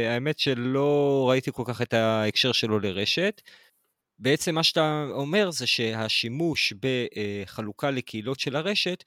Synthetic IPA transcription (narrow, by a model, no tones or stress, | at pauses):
aeme̞tʃe̞lo̞ʁait̪iko̞lkaχe̞t̪aekʃe̞ʁʃe̞lo̞leʁe̞ʃe̞t̪ | be̞et͡se̞mːaʃat̪aome̞ʁzeʃe̞haʃimuʃbeχalukalekʰeilo̞tʃe̞laʁe̞ʃe̞t̪